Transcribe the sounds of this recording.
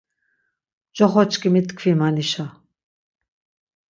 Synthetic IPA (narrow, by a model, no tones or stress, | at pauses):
d͡ʒɔχɔt͡ʃkʼimit̪kʰvimaniʃa